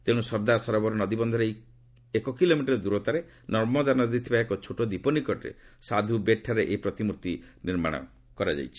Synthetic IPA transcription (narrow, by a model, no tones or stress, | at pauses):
t̪ẽũsɔɾd̪asɔɾɔbɔɾenɔd̪ibɔnd̪ʱɔɾej | ekɔkilomiʈɔɾed̪uɾɔt̪aɾe | nɔɾmɔd̪anɔd̪it̪ʰibaekɔt͡ʃʰoʈɔd̪ipɔnikɔʈɾḛsad̪ʱubeʈʰːaɾeʔepɾɔt̪imuɾt̪iniɾmaɽ̃ɔ̰ | kɔɾad͡ʒa̰jt͡ʃʰi̥